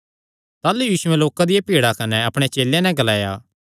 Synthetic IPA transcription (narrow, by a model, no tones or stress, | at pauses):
t̪aːlujiːsʊɛ̃loːkad̪ɪjapiːɽakɐnɛɐpɽ̃et͡ʃeːlẽnɛ̃ɡɐlaːja̰ː